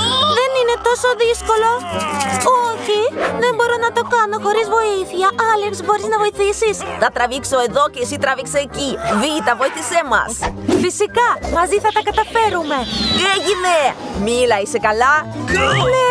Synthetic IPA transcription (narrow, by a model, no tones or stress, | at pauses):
ðe̞nine̞t̪o̞so̞ðisko̞lo̞ | oçiðe̞mbo̞ɾo̞nɐt̪o̞kɐno̞xo̞ɾizvo̞iθiɐʔɐleksbo̞ɾiznɐvo̞iθisisθɐt̪ɾɐvikso̞e̞ðo̞ceisit̪ɾɐvikseːcivit̪ɐvo̞iθisemɐ̰sfisikɐmɐziθɐt̪ɐkɐt̪ɐfe̞ɾume̞eʝine | milɐisekɐlɐeine